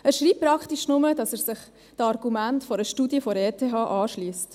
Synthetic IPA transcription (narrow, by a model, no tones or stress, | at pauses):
æːɾʃɾiːp̚pːɾɑkχtiʃnʊmədɑsæːɾsɪχ | tɑɾɡumæntfɔɾəʃtuːdiəfɔɾɛːtʰeːɦɑːʔɑːʃliːst